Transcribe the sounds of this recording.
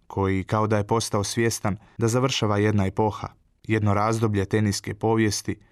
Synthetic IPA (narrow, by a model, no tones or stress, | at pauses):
kʰo̞jikao̞d̪aje̞po̞st̪ao̞sʋje̞st̪an | d̪azaʋr̩ʃaːʋaje̞d̪naepo̞xa̰ | je̞d̪no̞ɾaːzd̪o̞bʎe̞t̪e̞niske̞po̞ːʋje̞st̪i